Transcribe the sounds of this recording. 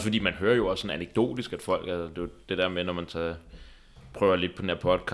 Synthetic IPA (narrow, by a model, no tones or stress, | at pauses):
fɒd̥ḭːmænɦøːɐjo̝ɒ̽sːɒ̽næneɡ̥̚d̥o̝̰ːd̥isɡ̥æd̥fɒ̽l̰ɡ̥ælsd̥e̝d̥e̝d̥æɐmenɒmænt͡sʰæ | pʰʁœːʊɐle̝d̥̚pʰɒ̽dendeɐ̰pʰɒ̽d̥kʰɑ